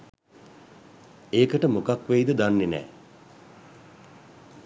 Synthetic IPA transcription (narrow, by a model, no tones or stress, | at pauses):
eːkəʈəmokakʋeid̪əd̪anːenɛ̰ː